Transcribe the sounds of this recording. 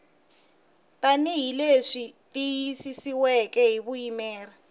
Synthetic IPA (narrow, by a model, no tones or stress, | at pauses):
taniɦileʂitijisisiwɛkɛɦiβujimɛːra